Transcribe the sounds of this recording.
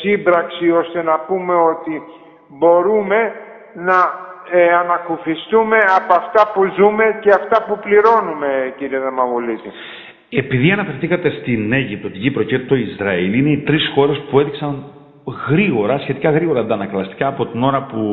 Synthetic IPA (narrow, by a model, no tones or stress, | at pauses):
sibɾɐksio̞st̪e̞nɐpume̞o̞t̪i | bo̞ɾume̞ | nɐ | ɐnɐkufist̪ume̞ɐpoɐft̪ɐpuzume̞ceɐft̪ɐpupliɾo̞nume̞ciɾieðemɐɣulit̪i | e̞piðiɐnɐfe̞ɾθikɐt̪e̞st̪ine̞ʝip̚t̪o̞t̪iʝipɾo̞cet̪t̪o̞izɾɐiline̞it̪ɾisxo̞ɾe̞spue̞ðiksɐŋ | ɣɾiɣo̞ɾɐsçet̪ikɐɣɾiɣo̞ɾɐd̪ɐnɐklɐst̪i̥kɐːpo̞t̪ino̞ɾɐpu